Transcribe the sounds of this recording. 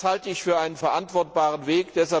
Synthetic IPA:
haltəɪçfyːɐʔaɪnənfɛɐʔantv̥ɔɐt̚b̥aːʁənveːkd̥ɛsa

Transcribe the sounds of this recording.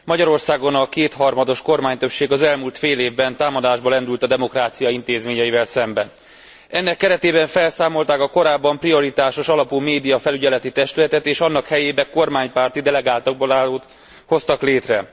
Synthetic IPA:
mɒɟɒɾo̞rsaːɡo̞nɒkeːt̪hɒrmɒd̪o̞ʃko̞rmaːɲt̪ø̞pʃeːɡɒzɛlmuːlt̪feːleːvbɛnt̪aːmɒd̪aːʒbɒlɛnd̪ylt̪ɒd̪ɛmo̞kraːt̪sijɒint̪eːzmeːɲɛjivɛlsɛmbɛn | ɛnːɛkːɛɾɛt̪eːbɛɱfɛlsaːmo̞lt̪aːkɒko̞ɾaːbːɒmprio̞ɾit̪aːʃo̞ʃɒlɒpuːmeːd̪ijɒfɛlyɟɛlɛt̪it̪ɛʃt̪ylɛt̪ɛt̪eːʃɒnːɒkhɛjeːbɛko̞rmaːɲpaːrt̪id̪ɛlɛɡaːlt̪ɒɡbolaːloːt̪ | ho̞st̪ɒkleːt̪rɛ

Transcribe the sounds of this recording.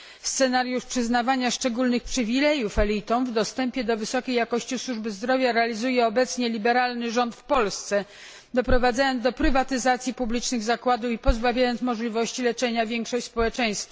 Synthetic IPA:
st̪sɛnaɾjuʂpʂɘznavaɲaʂt͡ʂɛɡulnɘxpʂɘvʲilɛjufɛlʲit̪ɔ̃w̃vd̪ɔst̪ɛmpʲjɛd̪ɔvɘsɔkʲejːakɔɕt͡ɕiswuʐbɘzd̪ɾɔvʲjaɾɛalʲizujɛɔbɛt̪sɲɛlʲibɛɾalnɘʐɔnt̪fpɔlst̪sɛ | d̪ɔpɾɔvad̪zajɔnzd̪ɔpɾɘvat̪ɘzat̪sʲjipublʲit͡ʂnɘɣzakwad̪ufipɔzbavʲjajɔnsmɔʐlʲivɔɕt͡ɕilɛt͡ʂɛɲavʲjɛŋkʂɔɕt͡ɕʲspɔwɛt͡ʂɛj̃st̪fa

